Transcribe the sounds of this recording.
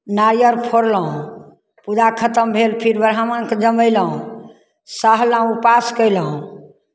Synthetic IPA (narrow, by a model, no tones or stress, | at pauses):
naɾjəɾpʰoɾləɦũ | pud͡ʒakʰət̪əmbʱelpʰiɾbəɾɦamənked͡ʒəməjləɦũ | səɦlãupaskəjlɦũ